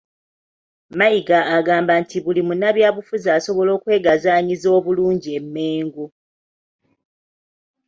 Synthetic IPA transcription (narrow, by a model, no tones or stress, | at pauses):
maiɡaːɡaːmbantiβulimunaβjaːβufuzaːso̞βo̞lo̞ːkwe̞ːɡazaːɲizo̞ːβuluːɲɟie̞mːeːŋɡu